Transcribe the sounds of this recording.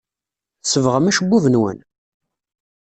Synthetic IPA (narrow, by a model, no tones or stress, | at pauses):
səvʁəmæʃəbːuvənwə̰n